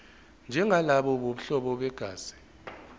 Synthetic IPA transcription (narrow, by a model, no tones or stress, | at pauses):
nd͡ʒʱɛŋalaɓɔɓoɓ̩uɬɔɓɔɓɛɡ̥ʱaːz̥i̥